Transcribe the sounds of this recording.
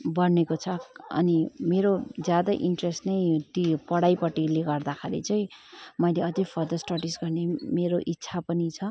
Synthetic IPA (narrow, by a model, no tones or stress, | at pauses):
bʌnekot͡sʰʌʌ̰nimeɾod͡zjad̪aʔiɳʈresʈnʌjt̪ipʌɽajpʌʈːileɡʌrd̪akʰaɾḭt͡sʌj̃mʌjleʌd͡zʌjpʰʌrd̪ʌsʈaʈisɡʌrnemeɾoʔitːsʰapʌnit͡sʰʌ